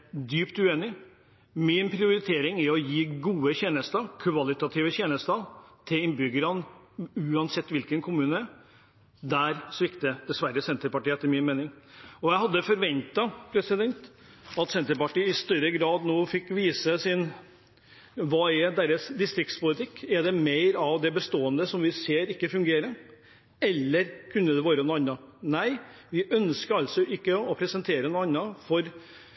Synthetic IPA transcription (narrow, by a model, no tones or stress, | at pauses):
d̪yːpt̪ʉeːnɪ | mɪnpʰɾɪʊɾɪt̪ʰeːɾɪŋæɔjiːɡuːəçɛːnəst̪əkʰʋɑlɪt̪ɑt̪ʰiːʋəçɛːnəst̪ɑt̪ʰɪlɪnbʏɡəɾɑn | ʉːɑnsɛt̪ːʋɪlkənkʰʊmʉːnə | d̪æɾsʋɪkt̪əd̪̥ɛsʋæɾːəsɛnt̪əɾpɑʈiːəɛt̪ːəɾmɪnmeːnɪŋɔjæɪɦɑd̪ːəfɔɾʋɛnt̪ɑpʰɾɛsɪd̪ɛnt̪ | ɑt̪sɛnt̪əɾpɑʈiːɪst̪œɾəɡɾɑːd̪noːfɪkːʋiːsəsɪn | ʋɑːɛd̪ɛɾəsd̪ɪst̪ɾɪkt̪spʊlɪt̪ʰɪkːɛd̪ɛmeɪɾɑʋd̪ɛbəst̪oːənd̪əsɔmʋɪseːɾɪkːəfʉŋɡeːɾə | ɛlːəɾkʰʉnːəd̪ɛʋoːɾənʊɑnːɑnæɪʋɪʔœnskəɾɑlsɔʔɪkːəɔpʰɾɛsənt̪ʰeːɾənʊːɑnːɑfɔɾ